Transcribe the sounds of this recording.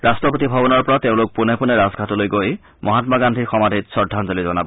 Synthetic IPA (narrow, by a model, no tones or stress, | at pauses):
ɹastɹɔpot̪ibʱabɔnɔɹpɔɹateʊ̃lʊk̚punepunɛɹazɡʱatɔlojɡoj | mʔɔɦatmaɡandʱiɹxɔmad̪ʱitsɔdʱanzolizɔnabɔ